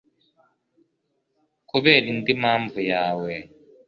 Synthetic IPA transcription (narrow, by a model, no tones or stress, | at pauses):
kuβeːɾindimaːɱvujaːwe